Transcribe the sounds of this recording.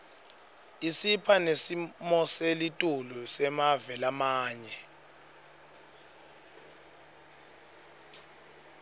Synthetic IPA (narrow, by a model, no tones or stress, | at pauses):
isipʰanesimɔselitʼulusɛmavɛlamaːɲɛ